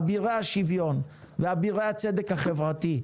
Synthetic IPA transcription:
biʁehaʃivjo̞n | veabiʁeat͡sed̪ekhaχevʁat̪i

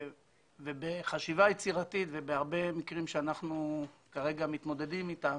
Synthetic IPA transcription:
vebeχaʃivajet͡siʁat̪it̪vebeaʁbe̞mikʁimʃeanaχnukaʁe̞ɡamit̪mo̞d̪e̞d̪imit̪a

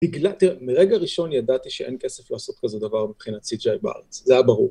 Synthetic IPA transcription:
tiɡlat̪iʁemiʁeɡaʁiʃo̞njadat̪iʃeʔenkeseflaːso̞t̪kazed̪avaʁmipχinat͡sid͡ʒajbaʔa̰ʁet͡szeajabaʁuʁ

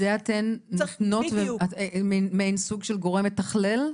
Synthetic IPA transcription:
eat̪enːtno̞tveamemejnsuɡʃelɡo̞ʁemet̪ɐχlel

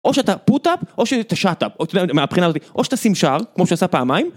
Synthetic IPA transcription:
ʔo̞ʃeat̪aput̪apʔo̞ʃet̪aʃat̪apot̪od̪ɛameapχinaːzotiʔoʃeatasimʃaʁkmo̞ʃeasapeamajm

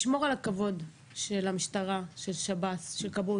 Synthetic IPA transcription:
ʃmo̞ʁalakavo̞d | ʃelamiʃtaʁaʃe̞lʃabasʃelkabu

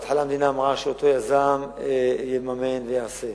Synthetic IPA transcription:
at̪ħalamd̪inaːmʁaʃeot̪o̞jazamjilmamenvejaʕse

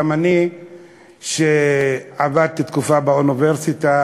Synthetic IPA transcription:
amani | ʃeavad̪̚t̪it̪kufabauniveʁsit̪a

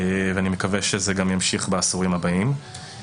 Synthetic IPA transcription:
veanimekaveʃezeɡamjamʃiχbeasuʁimhabaim

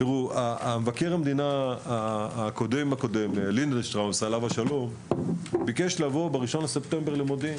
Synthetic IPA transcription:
t̪iʁuamevakeʁamd̪ina | ko̞d̪emako̞d̪emlindeʃtʁamsalavaʃalo̞m | bikeʃlavo̞beʁiʃo̞nlese̞pt̪embeʁlemod̪i

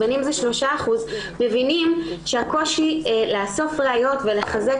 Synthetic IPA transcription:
enimzeʃlo̞ʃaːχuz | me̞vinimʃeako̞ʃilaaso̞fʁeajo̞tveleχaze

